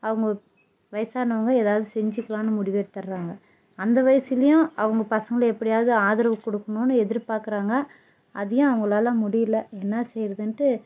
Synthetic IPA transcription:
ɐʋɐŋɡɐ | ʋɐjɐsaːnɐʋɐŋɡɐeːðaːʋɐðɯsɛɲd͡ʒɯkːɐɭãːnːɯmʊɽɪʋeːʈt̪ɐɾɾaːŋɡɐ | ɐnd̪ɐʋɐjɐsɪlɐjʊ̃ʔɐʋɐŋɡɐpɐsɐŋɡɐlɛpːɐɽɪjaːɐðɯaːðɐɾɐʋɐkːɔɽɯkːɐnõːnːɯɛðɪɾpaːɾkɯɾaːŋɡɐ | ʔɐðɐjʊ̃ɐʋɐŋɡɐɭaːlãːmʊɽɪjɪlːɐɛnːɐsɛjɾɐðɯnʈːɯ

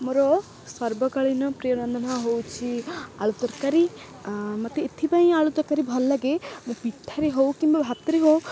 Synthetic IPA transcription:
moɾɔ | sɔɾbɔkaɭinɔpɾijɔɾɔnd̪ʱɔnaɦowt͡ʃʰia̰ɭut̪ɔɾkaɾi | mɔt̪eːt̪ʰipaĩaɭut̪ɔɾkaɾibʱɔlːaɡemũpiʈʰːaɾeɦowkimbabʱab̚t̪ɔɾeɦow

